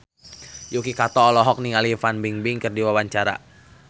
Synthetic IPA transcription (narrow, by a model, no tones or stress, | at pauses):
jukikat̪ɔːlɔɦɔk̚niŋalifanbiŋbiŋkərdiwawaɲt͡ʃaɾa̰